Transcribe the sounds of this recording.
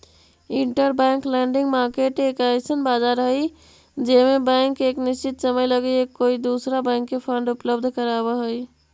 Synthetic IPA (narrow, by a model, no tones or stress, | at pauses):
ɪɳʈəɾbɛ̃ːŋklɛ̃ːɳɖɪ̃ŋɡmaːɾkeʈeːkajsənbaːd͡ʒaːɾɦəi | d͡ʒeːmẽbɛ̃ɪŋkeːknɪst͡ʃɪt̪səməjləɡeekoːid̪uːsɾabɛ̃ːŋkːepʰə̃ɳɖʊpləbd̪ʱkəɾaːbəɦoi